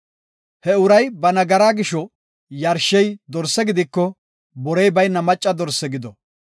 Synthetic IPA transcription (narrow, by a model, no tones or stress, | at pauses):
hɛʊɾɐjbɐnɐɡɐɾaːɡɪʃɔ | jɐɾʃɛjd̪ɔɾsɛɡɪd̪ɪkːɔ | bɔɾɛjbɐjnɐmɐt͡ʃʼːɐd̪ɔɾsːɛɡɪd̪ɔ